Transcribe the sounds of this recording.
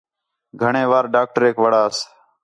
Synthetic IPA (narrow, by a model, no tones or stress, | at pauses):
ɡʱəɳẽːʋaːɾɖaːk̚ʈəɾeːkʋəɽaːs